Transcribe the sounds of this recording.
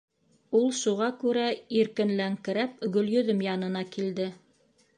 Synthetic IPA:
ulˠʃuʁɑkʉɾæiɾkɘ̆nlæŋkɘ̆ɾæp̚ɡɵ̆ljɵ̆ðɵmjɑnɤ̆nɑkild̪ɘ

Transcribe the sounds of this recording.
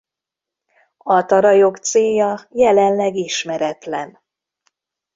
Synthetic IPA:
ɒt̪ɒɾɒjo̞kt̪seːjɒjɛlɛnlɛɡiʃmɛɾɛt̪lɛn

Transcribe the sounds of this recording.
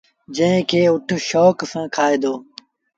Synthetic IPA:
d͡ʒə̃ɦẽkʰeːʊʈʰʃoːksãːkʰaːeːd̪oː

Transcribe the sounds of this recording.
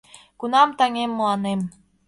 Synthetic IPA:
kunɑmt̪ɑŋemːɑnem

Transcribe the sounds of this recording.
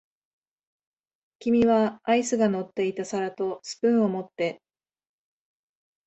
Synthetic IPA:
kʲimʲiβaːisɨɡano̞t̪ːe̞it̪asaɾat̪o̞sɨ̥pɯ̟̃ɰ̃o̞mo̞t̪ːe̞

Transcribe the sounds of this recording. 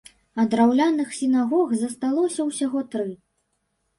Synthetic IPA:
ɐd̪ɾawlʲanɨxsʲinaɣɔɣzɐst̪alˠɔsʲɐwsʲaɣɔt̪ɾɨ

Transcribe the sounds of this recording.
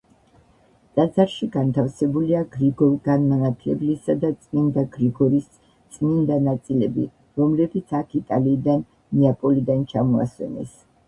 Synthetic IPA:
t̪ʼad̪zaɾʃiɡant̪ʰafsɛbuliaɡɾiɡɔlˠɡanmanat̪ʰlɛ̰blisad̪at̪sʼmind̪aɡɾiɡɔɾis | t̪sʼmind̪anat̪sʼilɛbḭ | ɾɔmlɛbit̪sʰakʰit̪ʼaliːd̪anː | iapʼɔlid̪ant͡ʃʰamɔa̰swɛ̰nɛ̰s

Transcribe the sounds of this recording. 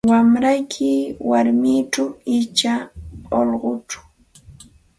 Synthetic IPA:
wamɾajkʰɪwaɾmɪʈ͡ʂawɪt͡ʃaolɢʊʈ͡ʂḁ

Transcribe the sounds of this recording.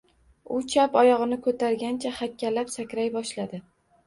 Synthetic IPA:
ʊt͡ʃʰapɒjɒʁɨnɪkʰɵt̪ʰaɾɡʲant͡ʃʰahakʲʰːalapsakʲɾajbɒʃlad̪ɪ

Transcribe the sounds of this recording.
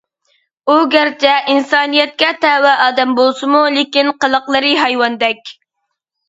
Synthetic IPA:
uɡʲæɾt͡ʃʰɛʔinsɑːnijɛt̪̚kʲɛt̪ʰɛwɛʔɑːd̪ɛmbolˠsɨmulˠɪkʲinqəlˠəqlˠəɾɨɦɑjwɑnd̪ɛkʲ

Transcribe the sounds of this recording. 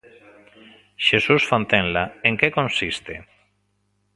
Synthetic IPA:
ʃesusfont̪ẽnlaeŋkekõnsist̪e

